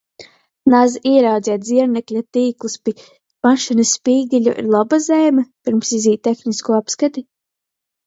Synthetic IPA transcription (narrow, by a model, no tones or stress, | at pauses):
nazʔiɛɾawd̪zʲɛt̪zʲiɛɾnɛklʲat̪iːklˠuspi | maʃinɐsːpiːɡilʲṵʔḭɾlˠabazɛːmʲɛpʲiɾmsiziːt̪̚ːexniskuɔapskat̪i